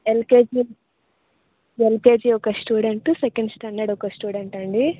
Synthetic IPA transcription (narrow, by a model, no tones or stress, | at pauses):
elkeːd͡ʒi | elkeːd͡ʒiːɔkɐsʈuːɽeɳʈusekeɳɖsʈɐnːɐɽɔkɐsʈuːɽeɳʈɐɳɖi